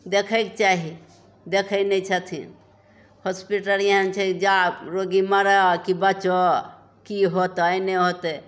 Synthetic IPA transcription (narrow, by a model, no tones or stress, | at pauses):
d̪ekʰək̚t͡ʃaɦi | d̪ekʰənɛt͡ʃʰət̪ʰḭn | hospiʈəɾijənt͡ʃʰɛid͡ʒaɾoɡiməɾəkibət͡ʃo | kiɦot̪əjneɦot̪e